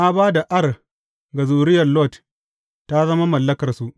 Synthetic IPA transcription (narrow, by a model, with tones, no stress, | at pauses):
ʔa˦baː˦da˨ʔɐ˦r | ɡɐ˨zuː˨ɾɪ˦jɐ˨rlɔ˦˨t | ta˦zɐ˦ma˦mɐ˨lːɐ˦kɐ˨rsu˨ʔ